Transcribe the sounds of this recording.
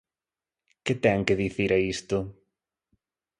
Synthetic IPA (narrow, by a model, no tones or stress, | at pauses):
kɪt̪ɛŋkɪðiθiɾʔɐist̪ʊ